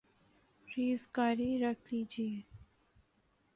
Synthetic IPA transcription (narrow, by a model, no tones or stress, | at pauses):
ɾiːzɡaːɾiɾəkʰliːd͡ʒiː